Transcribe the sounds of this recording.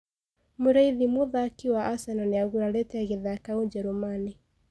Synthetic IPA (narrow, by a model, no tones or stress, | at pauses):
muɾaiðimuðakiwaʔasananeaɣuɾalɛtɛɣeðakauɲd͡ʒɛɾumani